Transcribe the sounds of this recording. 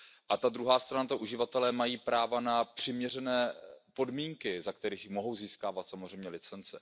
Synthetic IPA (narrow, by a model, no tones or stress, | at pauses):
ʔat̪ad̪ɾuɦaːst̪ɾanat̪aʔuʒɪvat̪ɛlɛːmajiːpɾaːvanapr̝̥ɪmɲɛrɛnɛːpo̞dmiːŋkɪzakt̪ɛɾixjmo̞ɦo̞wziːskaːvat̪samozr̝ɛjmɲɛlɪt͡sɛnt͡sɛ